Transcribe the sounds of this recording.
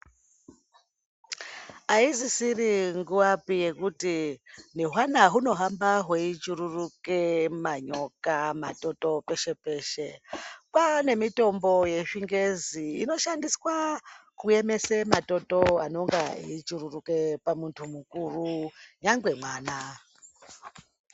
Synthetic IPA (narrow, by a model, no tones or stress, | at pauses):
aizisiriŋɡuʋapije̞kutineɦwanaɦuno̞ɦambaɦweit͡ʃuɾurukemaɲo̞kama̰to̞to̞pe̞ʃe̞pe̞ːʃe̞pwane̞mito̞mbo̞je̞ʂiŋɡe̞ziːno̞ʃandiswakue̞me̞semato̞to̞a̰no̞ŋɡa̰it͡ʃururuke̞pamuntʰumukuruɲaŋɡwe̞mwaːna